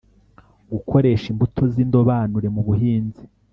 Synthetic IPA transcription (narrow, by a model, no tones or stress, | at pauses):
ɡukʰo̞ɾe̞ʃimbutʰo̞zindo̞βaːnuɾe̞muβuɦiːnzi